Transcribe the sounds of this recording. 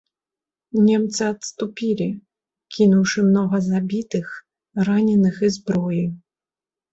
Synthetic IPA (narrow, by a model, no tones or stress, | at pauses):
nʲɛmt̪sɨɐt̪st̪upʲilʲi | kʲinuwʂɨmnɔɣɐzabʲit̪ɨx | ranʲɛnɨxɨzbɾɔji